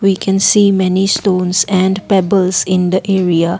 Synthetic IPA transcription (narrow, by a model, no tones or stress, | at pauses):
ʋiːkʰɛ̃nsiːmɛnisʈõːnsɛ̃ɳɖpɛbəlsɪ̃nd̪əʔeːɾia